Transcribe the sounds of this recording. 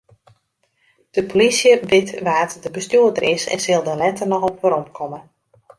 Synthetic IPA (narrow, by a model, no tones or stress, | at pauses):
d̥əpolisjəbɪtʋaːtdəbəstjuədərɪsɛ̰nsɪlˠdəlɛtərnɔxɔpʋəɾɔmkʰɔmə